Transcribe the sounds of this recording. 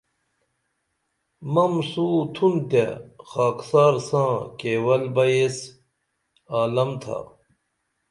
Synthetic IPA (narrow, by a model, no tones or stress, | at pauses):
mɐmsuːt̪ʰunt̪ḛxaːksaːɾsãːkeːwɐlbɐjes | aːlɐmt̪ʰa̰